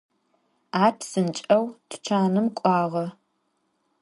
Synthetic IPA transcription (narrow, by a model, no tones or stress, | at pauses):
aːpʰsɨnt͡ʃʼɐwtʰt͡ʃʰaːnɨmkʷʼɑːʁɐ